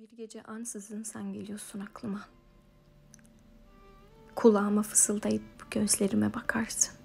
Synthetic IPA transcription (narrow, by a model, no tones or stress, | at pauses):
biɾɟe̞d͡ʒɛʔansɯzɯnsanɟe̞lʲijoɾsunaklˠɯma | kʰulˠaːmafɯ̥sɯlˠd̪ajɯpɟønzlʲe̞ɾimɛbakʰaɾsɯ̥n